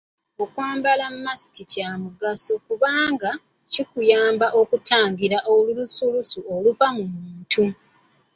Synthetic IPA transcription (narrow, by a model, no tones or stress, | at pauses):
okwaːmbalammasi̥kicaːmuɡasukuβaːŋɡa | cikujaːmbaʔo̞kutaːŋɡiɾaʔolulusulusuo̞luvamumuːntu